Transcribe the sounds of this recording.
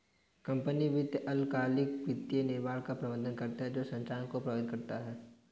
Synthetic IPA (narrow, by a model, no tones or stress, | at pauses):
kɐ̃mpəniʋɪt̪ʔɐlkaːlɪkʋɪt̪ːijenɪɾmaːɽkapɾɐbə̃nd̪ənkɐɾt̪aɦɛd͡ʒoːsɐ̃ɲt͡ʃaːnkopɾɐʋəd̪̚kɐɾt̪aɦɛː